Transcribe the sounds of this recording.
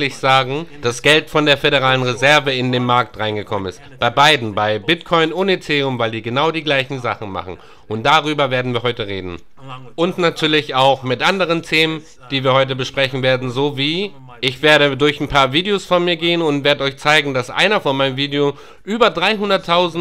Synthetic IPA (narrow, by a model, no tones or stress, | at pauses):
lɪçz̥aːɡŋ̩d̥asɡ̥ɛltfɔndeːɐfeɾeʁaːlənʁezɛɐvəɪndeːnmaɐktʁ̥aɪnɡəkʰɔmənɪ̰stb̥aɪbaɪdn̩baɪbɪtkʰɔʏnoːnet͡seːʊmvaɪlziːɐɡənaʊdiːɡlaɪçn̩zaχn̩ma̰χn̩ | ʔʊnt̚d̥aʁyːbɐveːɐdn̩viːɐɦɔʏtəʁ̞eːdn̩ | ʔʊntnatʰyːɐlɪçaʊxmɪtʔandəʁ̞əntʰeːmən | d̥iːviːɐɦɔʏt̬əbəʃpʁ̥ɛçn̩veːɐdn̩zoviː | ɪçv̥eːɐɾədʊɐçanpʰaːɐviːdeɪoːsfɔnmiːɐɡeːənʊntv̥eːɐdəɔʏçt͡saɪɡŋ̩dasʔa̰ɪnɐfɔnmaɪnəmviːdeo | ʔyːbɐdʁaɪɦʊndɐtʰːaʊzn̩